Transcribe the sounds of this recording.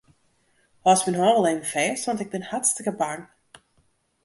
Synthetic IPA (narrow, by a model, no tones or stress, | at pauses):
hɔsbɪnɦɔːvəlˠevəfɛːsʋɔntɪɡ̚bɪnhatstəkəbaŋ